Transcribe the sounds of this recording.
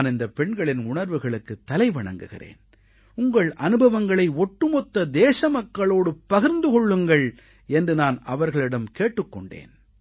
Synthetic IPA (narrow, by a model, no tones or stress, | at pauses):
nɪnd̪ɐpɛɳɡɐɭɪnʊɳɐɾʋɯɣɐɭɯkːɯt̪ːɐlɐɪʋɐɳɐ̰ŋɡɯɣɪ̰rḛːn | ʊŋɡɐɭʔɐnɯbʱɐʋɐŋɡɐɭɐɪɔʈːɯmɔt̪ːɐd̪eːsɐmɐkːɐɭoːɽɯpːɐɣɪɾnd̪ɯkɔɭːɯŋɡɐɭ | ɛndrɯnaːnɐʋɐɾɣɐɭɪɽɐmkeːʈːɯkːɔɳɖḛːn